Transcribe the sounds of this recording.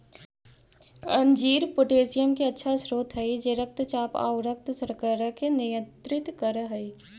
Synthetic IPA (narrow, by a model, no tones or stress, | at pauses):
ɐ̰̃nd͡ʒiːɾpʊʈeːsɪjəmkiɐtːʃʰasɾoːt̪ɦɐid͡ʒeːɾək̚t̪t͡ʃaːpa̰ːʊɾək̚t̪səɾkəɾəkenɪjə̃nt̪ɾɪt̪kəɾɦɐi